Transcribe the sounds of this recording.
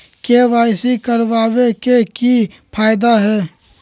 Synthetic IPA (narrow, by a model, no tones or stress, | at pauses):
keʋaːɪsikəɾʋaːbekeki | pʰaːjd̪aɦɛː